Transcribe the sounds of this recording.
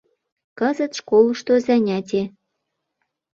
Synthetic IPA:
kəzə̆t̪ʃkolɤʃt̪ozænʲæt̪ʲe

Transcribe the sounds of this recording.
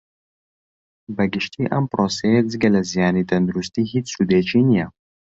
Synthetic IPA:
bɐɡɪʃt̪ʰiʔɐmpɾoːsejezɡɐlɐzijaːnit̪ɐnd̪uɾust̪iɦit͡ssud̪eːt͡ʃʰinija

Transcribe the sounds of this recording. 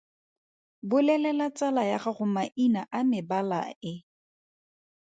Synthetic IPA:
bʊlɛlɛlat͡sʼalajaχaχʊmaʔinaʔamɪbala̰ɪ

